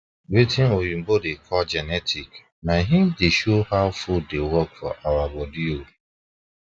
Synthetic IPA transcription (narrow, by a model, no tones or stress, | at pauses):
wetʰɪnojim̩bodekʰɔld͡ʒɛnɛtʰik | naɦɪ̃n̩deʃohaʊfuldewɔkfɔ̰ʔawabɔdio